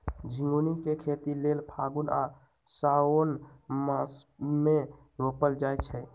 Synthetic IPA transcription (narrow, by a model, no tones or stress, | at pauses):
d͡ʒʱiŋɡunikekʰet̪ilelpʰaɡuna̰ | saonmasme | ɾopəld͡ʒajt͡ʃʰɛ